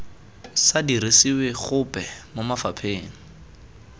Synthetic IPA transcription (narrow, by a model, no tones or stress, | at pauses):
sadiɾisiweχʊpɛmʊmafapʰeːŋ̩